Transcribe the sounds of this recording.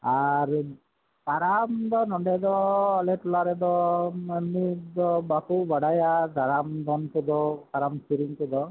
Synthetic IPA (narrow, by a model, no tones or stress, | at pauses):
aɾ | paɾamd̪ɔnɔɳɖɛd̪ɔalɛtulaɾɛd̪ɔemːid̪ɔbakubaɽajad̪ʱaɾamd̪ɔnkɔd̪ɔpaɾamsiɾiŋkɔd̪ɔ